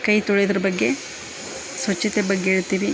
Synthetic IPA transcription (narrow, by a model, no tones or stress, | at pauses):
kɐjt̪ɔɭejd̪ɐɾɐbɐɡːe̞ | sʋɐt͡ʃːɐt̪ebɐɡːeeːɭt̪ːiːʋi